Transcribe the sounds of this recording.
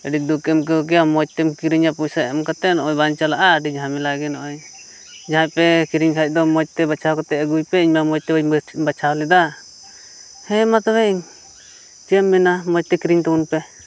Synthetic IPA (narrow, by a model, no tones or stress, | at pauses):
əɖid̪ukɛmk̬ɔk̬ɛjamɔt͡ʃ̚t̪ɛmkiɾiɲapusaɛmkat̪ɛnɔʔɔjbaɲt͡ʃalaʔaɖid͡ʒɦamɛlaɡɛnɔʔɔj | d͡ʒaɦãjpɛkiɾiɲkʰac̚ˀd̪ɔmɔt͡ʃ̚t̪ɛbat͡ʃʰawkɔt̪ɛəɡujpɛiɲmamɔt͡ʃ̚t̪ɛbabat͡ʃʰawlɛd̪a | hɛ̃mat̪ɔbɛʔiɲ | t͡ʃiəmːɛnamɔt͡ʃ̚t̪ɛkiɾiɲt̪uunpɛ